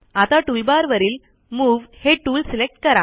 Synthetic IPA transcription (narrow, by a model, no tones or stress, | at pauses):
at̪aʈuːlbaɾʋəɾiːl | muːʋheʈuːlselek̚ʈkəɾa